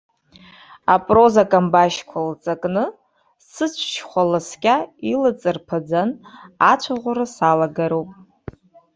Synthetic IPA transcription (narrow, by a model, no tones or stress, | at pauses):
apʼrozakʼambaʃkʷʰalt͡sʼakʼnɨ | sɨt͡ʃʷʰʃχʷalaskʲʼailɨt͡sʼɨrpʰad͡zanat͡ʃʷʰaʁʷʊɾasalaɡaɾupʼ